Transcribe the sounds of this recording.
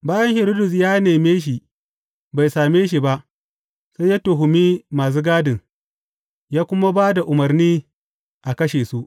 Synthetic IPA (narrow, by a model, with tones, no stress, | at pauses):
baː˦jɐ˦ŋhɪ˨ɾiː˦dʊ˨s̬jaː˦neː˨meː˦ʃ̬i˨ | ba˨jsaː˨meː˦ʃ̬i˨ba˦ʔ | sa˦jaː˦to˨ɦʊ˨miː˦maː˨s̬uː˦ɡaː˦dɪ˨ŋ | jaː˦kʷʊ˦ma˦baː˦da˨ʔʊ˨mɐ˨rniː˦ | ʔa˨kɐ˦ʃeː˨su˦ʔ